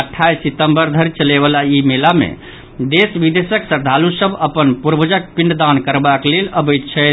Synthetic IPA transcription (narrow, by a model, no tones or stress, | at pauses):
əʈʰːajsit̪əmbəɾd̪ʱəɾit͡ʃəleβəlaimelamḛ | d̪esbid̪esəksəɾd̪ʱalusəbʱəpənpuɾbəd͡ʒək̚piɳɖd̪ankəɾbakleləbəjt̪t͡ʃʰɛ